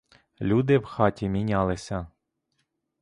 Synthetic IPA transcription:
lʲud̪ɪwxɑtʲimʲinʲɑlˠɪsʲɐ

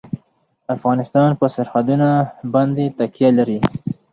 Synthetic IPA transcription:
afɣɑnɪst̪ɑnpəsaɾxad̪unabɑnd̪et̪akjalaɾi

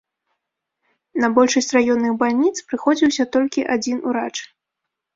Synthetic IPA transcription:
nɐbɔlʲʂɐsʲt͡sʲrajɔnːɨɣbalʲnʲit̪spɾɨxɔd͡zʲiwsʲɐt̪ɔlʲkʲiʔad͡zʲinṵɾat͡ʂ

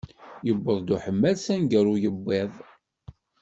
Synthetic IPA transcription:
jəbːəðˤd̪uħəmːælsænɡəɾujəbːɪðˤ

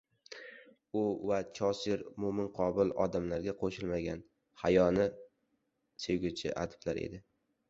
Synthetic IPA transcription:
ʊvat͡ʃʰɒsɪɾmʊmɪnqʰɒbɪlɒd̪amlaɾɡʲaqʰoʃɪlmaɡʲan | hajɒnɪ | seɡʲʊt͡ʃʰɪ̰ʔa̰d̪ɪblaɾḛd̪ɪ

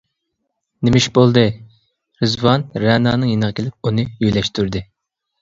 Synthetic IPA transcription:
nɪmiʃbolˠd̪ɨ | ɾɨzwɑnɾɛːnɑːnɨŋjenəʁəkʲelɪp̚unɨjyjlɛʃt̪ʰyɾd̪ɪ

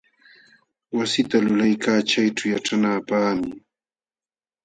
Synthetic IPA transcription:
wasɪt̪alʊlajkaːt͡ʃajʈ͡ʂawjaʈ͡ʂanaːpaχmɪ

